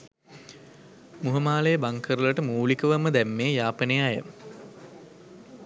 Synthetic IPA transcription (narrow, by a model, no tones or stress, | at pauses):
muɦəmaːlejəbaŋkʰəɾulɐʈəmuːlikəʋaməd̪æmːeːjaːpənejajə̰